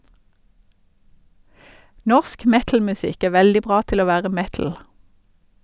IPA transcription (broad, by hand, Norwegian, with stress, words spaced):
ˈnɔʃk ˈmɛtl̩mʉˌsɪk ˈeː ˈʋɛldɪ ˈbʁɑː ˈtɪl ˈoː ˈʋæːʁə ˈmɛtl̩